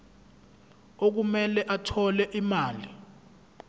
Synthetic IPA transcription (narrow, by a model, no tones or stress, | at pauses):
ok̬umɛlɛʔatʰɔlɛʔimaːli